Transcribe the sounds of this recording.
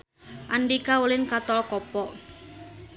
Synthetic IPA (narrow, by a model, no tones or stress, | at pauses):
ʔanɖikaulɪnkat̪ɔlkɔpɔ